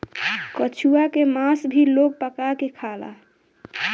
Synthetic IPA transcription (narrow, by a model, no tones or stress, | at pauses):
kət͡ʃʰuakemasbʱilok̚pəkakekʰala̰